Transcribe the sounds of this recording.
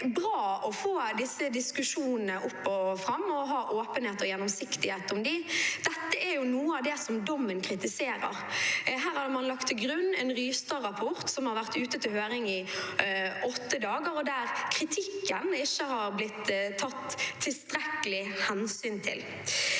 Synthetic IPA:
bɾɑːɔfoːd̪ɪsːəd̪ɪskʉʂuːnən̩əʔʊpːɔfɾɑmːɔɦɑːʔoːpənheːt̪ɔjɛnːɔmsɪkt̪ɪheːt̪ɔmd̪ɪd̪̥ɛt̪ːəæɾjʊnuːəɑʋd̪ɛsɔmd̪ɔmːənkʰɾɪt̪ɪseːɾə̰ʁɦæːɾhɑdmɑnlɑkt̪ʰɪɡɾʉnːɛnʁyːst̪ɑʁɑpʰɔʁt̪sɔmhɑɾʋæʁt̪ʉːt̪ət̪ʰɪlhøːɾɪŋɪ | ʔɔt̪ːəd̪ɑːɡəɾɔd̪æɾkʰɾɪt̪ʰɪkːənɪʃːəhɑɾblɪt̪ʰːɑt̪ʰːɪlst̪ɾɛkəlɪhɛnsyːnt̪ʰɪ̰l

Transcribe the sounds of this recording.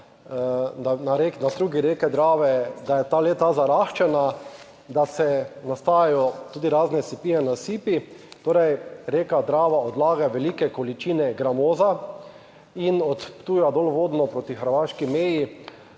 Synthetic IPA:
anaɾeknad̪ɾuːɡiɾeːkɛd̪ɾaːʋɛd̪ajɛt̪aleːt̪azaɾaxt͡ʃɛna | d̪asɛnast̪aːjajɔt̪uːd̪iɾaznɛsipijɛnasiːpit̪oːɾɛjɾeːkad̪ɾaːʋaɔd̪laːɡaʋɛlikɛkɔlit͡ʃiːnɛɡɾamoːza | inɔt̪pt̪uːjad̪olʋoːd̪nɔpɾot̪ixəɾʋaʃkimeːji

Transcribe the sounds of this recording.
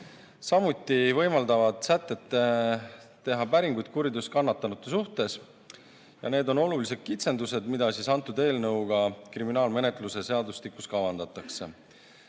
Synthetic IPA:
sɑmut̪ːˑivɤ̞jmɑld̪ɑvɑd̪̥sæt̪ːˑe̞t̪ːe | t̪ːe̞ɦɑpæɾiŋɡujd̪̥̚kuɾid̪uskɑnːɑt̪ːˑɑnut̪ːˑesuht̪e̞s | jɑ̰ne̞ːd̪o̞no̞lulise̞t̪̚kit̪se̞nd̪use̞d̪mid̪̥ɑsisɑnt̪ːˑud̪e̞ːlnɤwɡ̥ɑkriminɑːlme̞ne̞t̪ˑluse̞se̞ɑd̪ust̪ikuskɑvɑnd̪̥ɑt̪ːˑɑkse̞̰

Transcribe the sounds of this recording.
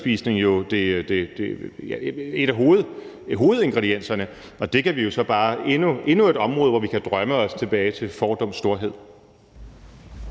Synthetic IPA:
b̥ḭːsne̝ŋjo̝d̥e̝d̥e̝d̥ejæe̝ɾæɦo̝ːð̩ˠ | ɦo̝ːð̩ˠe̝nɡ̥ʁɛdien̰sɐnə | ɒ̽d̥e̝kʰæʋijo̝sɒ̽b̥ɑ̈ːe̝nue̝nue̝ɾ̥ɒ̽mʁɔ̽ːð̞̩ˠʋɒʋikʰæd̥ʁɶməɒ̽st͡sʰe̝b̥ɛːɪt͡sʰe̝lfɒːd̥ɒ̽m̰sd̥o̝ɐɦe̝ð̞̰ˠ

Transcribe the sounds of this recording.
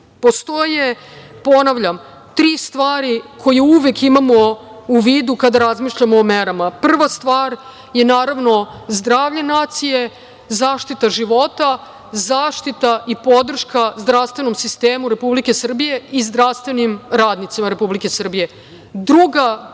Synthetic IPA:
po̞st̪oje | po̞naʋʎam | t̪ɾiːst̪ʋaːɾikʰo̞jeuʋekimamo̞ | uʋiːd̪ukad̪aɾazmiʃʎamoːmeɾamapr̩ʋast̪ʋaːɾ | je̞naːɾaʋno̞zd̪ɾaːʋʎenaːt̪sije̞ | zaːʃt̪it̪aʒiʋo̞t̪a | zaːʃt̪it̪aʔipo̞d̪r̩ʃkazd̪ɾafst̪vʋe̞no̞msist̪e̞ːmuɾe̞publike̞sr̩bije̞izd̪ɾafst̪ʋe̞nimɾaːd̪nit̪simaɾe̞publike̞sr̩bije̞ | d̪ɾuɡa

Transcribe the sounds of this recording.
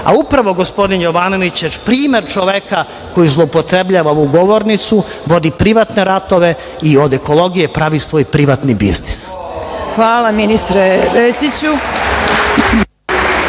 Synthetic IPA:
a̰upɾaʋo̞ɡo̞spo̞d̪injo̞ʋaːno̞ʋit͡ɕjepɾiːme̞ɾt͡ʃoʋeka | ko̞jizlˠoupot̪ɾebʎaːʋaoʋuɡo̞ʋo̞ɾnit̪su | ʋo̞d̪ipɾiʋat̪ne̞ɾat̪o̞ʋe̞ | io̞d̪e̞ko̞lˠo̞ɡijepɾaʋisʋo̞ːjpɾiʋat̪nibḭznis | xʋaːlˠaminist̪ɾeʋesit͡ɕu

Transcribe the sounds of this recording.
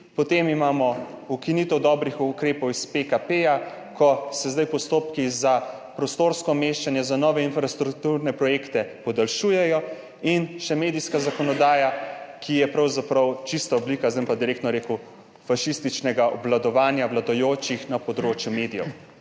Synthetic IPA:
pɔt̪eːmimaːmɔukinit̪ɛwd̪ɔːbɾixukɾeːpɔwispekapeːjakɔsɛzd̪ajpɔst̪oːpkizapɾɔst̪oːɾskɔmeʃt͡ʃanjɛzanɔːʋɛinfɾast̪ɾukt̪uɾnɛpɾɔjeːkt̪ɛpɔd̪alʃuːjɛjɔ | inʃɛmeːd̪ijskazakɔnɔd̪aːjakʰijɛpɾawzapɾɐwt͡ʃist̪aɔblikazəmpad̪iɾeːk̚t̪nɔɾeːku | faʃist̪it͡ʃnɛɡaʔɔblad̪ɔʋaːnjawlad̪ɔjoːt͡ʃixnapɔd̪ɾoːt͡ʃjumeːd̪ijɛ̰w

